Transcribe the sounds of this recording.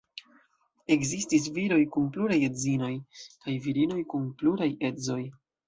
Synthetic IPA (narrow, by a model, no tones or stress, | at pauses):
e̞kzistis̬viɾo̞jkunpluɾaje̞zino̞jkajviɾino̞jkunpluɾaje̞zo̞j